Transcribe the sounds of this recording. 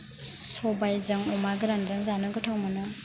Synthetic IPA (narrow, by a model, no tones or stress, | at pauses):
sɔbajzɯŋɔmaɡɯɾanzaŋzanɯɡɯtʰawmɯnɯ